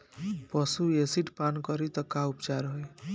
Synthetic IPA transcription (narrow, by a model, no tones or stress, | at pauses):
pʌsuesiʈpankʌɾit̪ʌkaupt͡ʃaɾɦoj